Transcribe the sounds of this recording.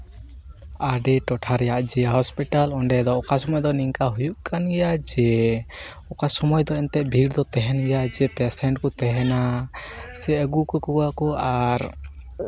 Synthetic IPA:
aɖɛʈɔʈʰaɾɛjaʔd͡ʒɛɦɔspiʈalɔɳɖɛd̪ɔːkasɔmɔjd̪ɔniŋkaɦujuʔkanɡɛjad͡ʒɛ | ɔkasɔmɔjd̪ɔɛnt̪ɛʔˀbʱiɖd̪ɔt̪ɛɦɛnɡɛjad͡ʒɛpɛsɛɳʈ̚kɔt̪ɛɦɛna | sɛəɡukəkuɡakɔaɾ

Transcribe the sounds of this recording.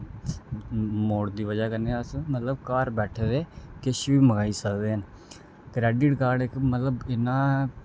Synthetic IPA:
moːɽd̪iːʋəd͡ʒaːkəɾneəsmət̪ləbkaːɾbɛːʈʰed̪eːkɪʃʋiːməɡaːiːsəkd̪eːɦən | kɾɛːɖɪʈkaːɾɖɪkmət̪ləbɪnãː

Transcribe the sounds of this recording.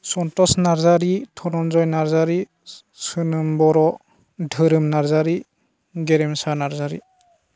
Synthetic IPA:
sɔntɔsnaɾzaɾitʰɔnɔnzɔjnaɾzaɾi | sɯnɯmbɔɾɔ | dʱɯɾɯmnaɾzaɾi | ɡeɾɛmsanaɾzaɾḭ

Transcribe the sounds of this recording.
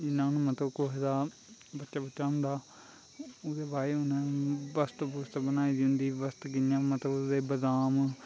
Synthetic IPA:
d͡ʒɪnãːnũːmət̪ləbkoɦd̪aː | bətːʃaːbətːʃaːɦʊ̃nd̪aː | ʊd̪eːbaːeːʊnẽːʋəst̪əbʊst̪bənaːiːd̪ɦʊ̃nd̪iːʋəst̪ɡɪnjãːmət̪ləbd̪eːbəd̪aːm

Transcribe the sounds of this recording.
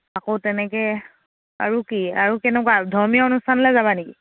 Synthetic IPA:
akowtɛnɛkɛ | a̰ɹukiaɹukɛnɛkwadʱɔɹmiaonustʰanɔlɛzabaneki

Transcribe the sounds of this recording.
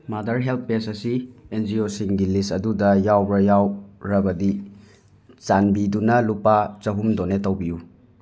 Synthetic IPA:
madɐɾɦelp̚pesɐsiend͡ʒiosiŋɡilistɐdudɐjawbɾɐjawɾɐbɐdi | t͡ʃanbidunɐlupat͡ʃɐɦumdonetɐwbiju

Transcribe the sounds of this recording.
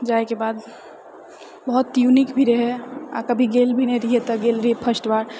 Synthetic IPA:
d͡ʒaekebaːd̪ | bəɦɔt̪ːjunikbʱiɾeɦea̰kəbʱiɡelbʱineɾiɦet̪əɡelɾiepʰəsʈʋaɾ

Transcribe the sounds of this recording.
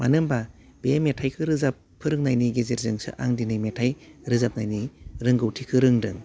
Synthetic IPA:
manɯmba | b̥emetʰajkʰɯɾɯzapʰːɯɾɯŋnajniɡezeɾzɯŋsɯ̰ʔa̰ŋdinɯjmetʰajɾɯzap̚najniɾɯŋɡɯwtʰikʰɯɾɯŋdɯ̰ŋ

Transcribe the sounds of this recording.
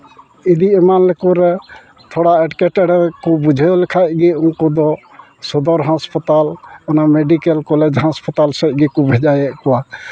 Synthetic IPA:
id̪iɛmanlɛkuɾɛ | t̪ʰɔɽaɛʈkɛʈɛɾɛkɔbud͡ʒʱɛjɔlɛkʰat̪̚ɡɛunkɔd̪ɔ | sɔd̪ɔɾɦãspɔt̪alɔnameɖikɛlkɔlɛd͡ʒɦãspɔt̪alsɛc̪̚ˀɡɛkubʱɛd͡ʒajɛʔ̚kɔwa

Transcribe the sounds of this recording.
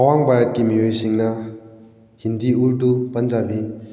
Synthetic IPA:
awaŋbaɾɐt̚kimiojsiŋnɐ | hindiuɾtupɐnd͡ʒabi

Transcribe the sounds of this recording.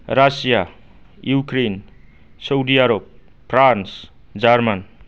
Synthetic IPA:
rasija | jukɾen | sʌwd̪iaɾop̚ | pʰrans | d͡zarman

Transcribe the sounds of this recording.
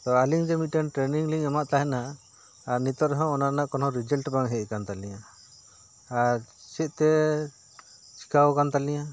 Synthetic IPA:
t̪ɔaliŋd͡ʒɛmit̪̚ʈanʈɾeniŋliŋɛmaʔt̪aɦɛnaː | ɾnit̪ɔɾɦɔ̃ɔnanaʔkɔnɔɾid͡ʒəlʈbaŋɦɛkant̪alija | ɾt͡ʃɛt̪̚ˀt̪ɛ | t͡ʃʰi̥kawɔkant̪aliɲa

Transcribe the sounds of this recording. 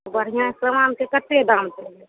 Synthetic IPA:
bəɽ̤ijãsəmaːnkekət̪ːed̪ãːmt̪e

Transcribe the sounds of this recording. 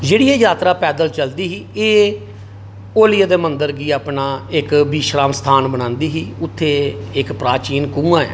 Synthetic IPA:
d͡ʒeːɽiːɛːjaːt̪ɾaːpɛːd̪əlt͡ʃəld̪iːɦiːeː | oːlɪjaːd̪eːmənd̪əɾɡiːaːpnaːɪkbiːʃɾaːmst̪ʰaːnbəɽ̃ãːnd̪iːɦiːʊt̪ʰːeːɪkpɾaːt͡ʃiːnkũːãːɛ̰ː

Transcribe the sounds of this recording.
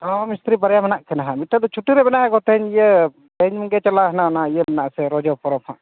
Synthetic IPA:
ɔmist̪ɾipəɾjamɛnaʔkɛnaɦãmit̪ːad̪ɔt͡ʃʰuʈːiɾɛbɛnaɦɛkɔt̪ʰɛɲijə | pɛɲməɡɛt͡ʃəlaɦnanaijəmɛnaʔsɛɾɔd͡ʒɔpɔɾɔpʰãʔ

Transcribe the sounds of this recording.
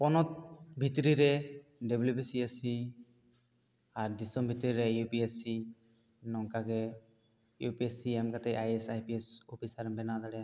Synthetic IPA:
pɔnɔt̪̚bʱit̪ɾiɾɛɖeblubisiasi | aɾdisɔmbʱit̪ɾiɾɛjupiesi | nɔŋkaɡɛ | jupiɛsiɛmkat̪ɛʔajɛsajpiɛsɔpʰisaɾɛnbɛnad̪aɽɛ

